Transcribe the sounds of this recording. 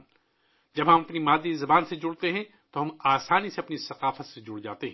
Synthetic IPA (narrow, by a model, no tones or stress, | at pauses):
d͡ʒɐbɦɐmɐpnimaːd̪izɐbaːnsed͡ʒʊɽt̪eɦɛ̃ | t̪oɦɐmaːsaːniseɐpnisɐqaːfət̪sed͡ʒʊɽd͡ʒaːt̪eɦɛ̃ː